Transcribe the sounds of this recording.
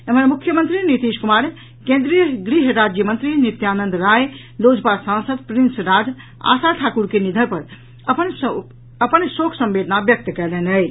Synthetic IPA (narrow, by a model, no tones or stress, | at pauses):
emənmukʰjəmənt̪ɾinit̪iskumaɾ | kẽnd̪ɾijəɡɾiɦɾad͡ʒjəmənt̪ɾinit̪janənd̪ɾaj | lod͡ʒpasãnsəd̪pɾinsɾad͡ʒ | a̰saʈʰakuɾkenid̪ʱəɾpəɾ | əpən | əpənsokʰsə̃mbed̪nabjək̚t̪kɛlenəj